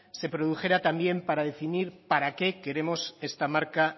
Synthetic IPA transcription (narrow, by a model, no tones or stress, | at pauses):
se̞pɾoðuxe̞ɾat̪ambje̞mpaɾaðe̞finiɾpaɾake̞ke̞ɾe̞mo̞se̞st̪amaɾka